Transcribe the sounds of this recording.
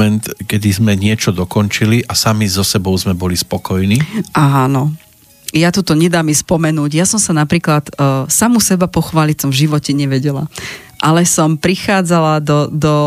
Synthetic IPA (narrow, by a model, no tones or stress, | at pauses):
ɛnt̪kɛd̪izmɛɲɪɛt͡ʃɔd̪ɔkɔnt͡ʃiliʔasamizɔsɛbɔʊzmɛbɔlispɔkɔjniːʔaːnɔ | jat̪ut̪ɔɲɛd̪aːmispɔmɛnuːɟjasɔmsanapɾiːklat̪ːsamusɛbapɔxʋaːlit͡sɔmvʒiʋɔcɛɲɛʋɛɟɛla̰ | ʔalɛsɔmpɾixaːd͡zalad̪ɔd̪ɔ